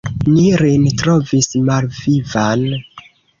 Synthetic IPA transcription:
niɾintɾo̞vismalvivan

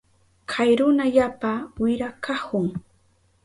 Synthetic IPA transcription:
kʰajɾʊnaʎapawɪɾakahʊŋ

